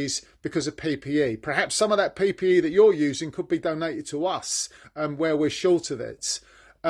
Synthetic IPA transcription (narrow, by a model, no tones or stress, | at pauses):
z̥b̥ɪkʰɒzəv̥pʰiːpʰiːiːpʰə˞ɦapsʌ̃məvðəʔ̚pʰiːpʰiːiːðət͡ʃəjʉːzɪ̃ŋkʰəd̚bidəʊneɪtɪd̚tʰəʌsə̃mwəwɪʃɔˑlˠtəðɪ̰t